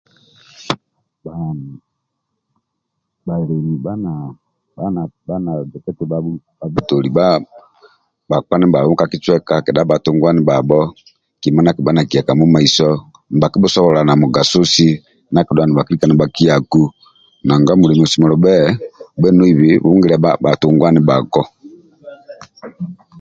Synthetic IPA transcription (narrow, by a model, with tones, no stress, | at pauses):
ba˦n˨ | ba˨i˨ɾɛ˨ni˨ba˦na˨ | a˦n˨ba˦na˨d͡ʒɛ˨kɛ˦tɛ˨ba˦ | a˨vu˦to˨li˨ba˦ | ba˨k͡pa˦nɛ˦ba˨ɔ˦mu˦ka˨ki˦t͡ʃwɛ˦ka˨kɛ˨ɗa˨˦ba˨to˦ŋɡwa˦ni˨ba˨bɔ˦ | ki˨ma˦na˨ki˨ba˦na˨ki˨a˨ka˨mu˦ma˨i˨sɔ˦ | m̩˨ba˨ki˦bɔ˦sɔ˦βɔ˨la˨na˨mu˨ɡa˨su˦si˦ | na˨ki˨dwa˨ni˨ba˨ki˦ɾi˦ka˨na˨ba˨ki˦a˨ku˦ | na˨ŋɡa˦mu˨ɾɛ˨m˨ɔ˨si˨mɔ˨lɔ˨bɛ˦˨bɛ˦nu˦i˨βi˨βu˦ŋɡi˦ɾɛ˨˦a˦ba˨to˨ŋɡwa˦ni˦ba˨kɔ˦